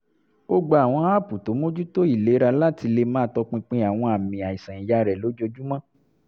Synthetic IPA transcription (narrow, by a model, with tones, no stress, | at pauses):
o˦ɡ͡bo˧˦a˨w̃ɔ̃˧a˦˨pu˨to˨˦mo˦d͡ʒu˦to˦i˦˨le˨˦ɾa˧la˦ti˧le˧mãː˦tɔ˧k͡pĩ˧k͡pĩ˧a˨w̃ɔ̃˧a˨mĩ˨a˨i˨sã˨i˨ja˨˦ɾɛ˨lo˨˦d͡ʒo˧d͡ʒu˦mã˦